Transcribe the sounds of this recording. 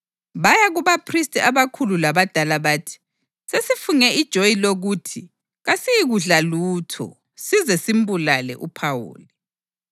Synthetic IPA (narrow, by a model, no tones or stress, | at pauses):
βajaɣuβapʰristʼiaβakʰululaβad̥ʱalaβaːtʰi̥ | sesifuŋɛʔid̥ʒ̥ʱojiloɣutʰi | ɣasijiɣuɮaluːtʰɔ̰ | sizɛsimbulalɛ̰ʔupʰawo̰ːli